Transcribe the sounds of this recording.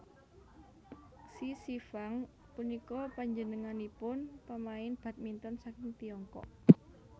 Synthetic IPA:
sisifaŋ | punikɔpaɲd͡ʒənəŋanipʊnpəmaɪnb̥ä̤t̪̚mint̪ɔnsakɪŋt̪iɔŋkɔ̰ʔ

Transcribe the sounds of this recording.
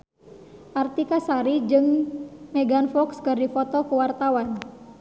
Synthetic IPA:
ʔart̪ikasaɾid͡ʒɨŋmɛɡanfɔkskərdifɔt̪ɔkuwart̪awan

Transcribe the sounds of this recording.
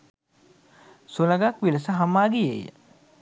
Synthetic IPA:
suləɡakʋiləsəɦamːaːɡijḛjə̰

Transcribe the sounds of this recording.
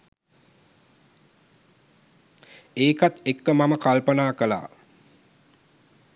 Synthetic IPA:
eːkat̪ekːəmaməkalpənaːkəla̰ː

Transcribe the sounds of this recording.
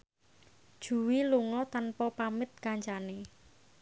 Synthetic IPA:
d̥ʒ̥ṳwiluŋɔt̪anpɔpamɪt̪̚kaɲt͡ʃane

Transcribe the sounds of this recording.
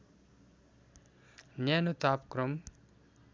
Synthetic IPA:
njanut̪aːpkɾom

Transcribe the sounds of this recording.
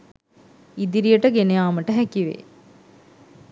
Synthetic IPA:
id̪iɾijəʈəɡenejaːməʈəɦækiʋḛ

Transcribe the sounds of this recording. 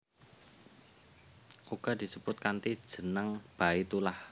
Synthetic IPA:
ʔuɡ̥a̤d̪̥i̤səb̥ʊt̪̚kant̪id̥ʒ̥ə̤naŋb̥a̤it̪ulah

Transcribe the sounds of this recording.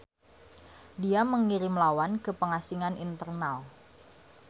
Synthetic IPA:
diaməŋiɾɪmlawankəpəŋasiŋanʔint̪ərnal

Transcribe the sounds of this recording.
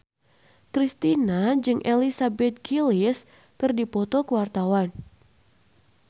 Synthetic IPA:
kɾist̪inad͡ʒɨŋʔelisabɛt̪̚ɡilis | kɨrdipɔt̪ɔkəwart̪awan

